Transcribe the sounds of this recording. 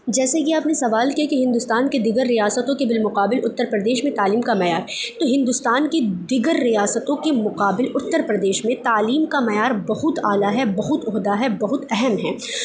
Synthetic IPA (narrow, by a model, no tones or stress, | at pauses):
d͡ʒɛːsejeaːpnesɐʋaːlkiakiɦɪ̃nd̪ʊst̪aːnked̪ɪɡəɾːijaːsət̪õkebɪlmʊqaːbɪlʊt̪ːəɾpɾɐd̪eːʃmẽt̪aːliːmkamɐjaːɾt̪oɦɪ̃nd̪ʊst̪aːnked̪ɪɡəɾːijaːsət̪õkemʊqaːbɪlʊt̪ːəɾpɾɐd̪eːʃmẽt̪aːliːmkamɐjaːɾbɐɦʊt̪aːlaɦɛbɐɦʊt̪ʊɦd̪aɦɛbɐɦʊt̪ɛɦɛmɦɛː